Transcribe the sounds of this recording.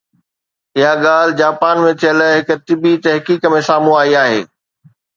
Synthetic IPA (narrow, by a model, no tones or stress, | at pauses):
ɪɦaɠaːl̤ɪd͡ʑaːpaːnmẽt̪ʰijəlɦɪk̆t̪ɪbit̪ɐɦkiːkmẽsaːmũaːiaːɦḛː